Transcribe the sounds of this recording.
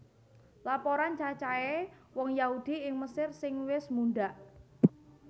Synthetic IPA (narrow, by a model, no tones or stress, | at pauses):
lapoɾant͡ʃat͡ʃaewɔŋjahud̪̥iɪŋməsɪrsɪŋwɪsmunɖaʔ